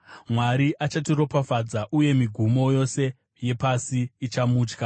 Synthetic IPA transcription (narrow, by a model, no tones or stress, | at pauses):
mwaɾiʔat͡ʃatiɾo̞pafad͡zaʔuje̞miɡʱumo̞jo̞se̞ | je̞pasiːt͡ʃamuːt͡ʃka